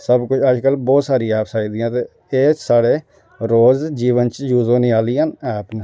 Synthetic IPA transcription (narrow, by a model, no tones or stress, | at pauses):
səbkʊt͡ʃʰəd͡ʒkəlbɔːt̪saːɾĩaːpʰsaːiːd̪ɪjãːt̪eː | eːsaːɽeː | ɾoːzd͡ʒiːʋənt͡ʃjuːzõːniaːliːãːnaːpn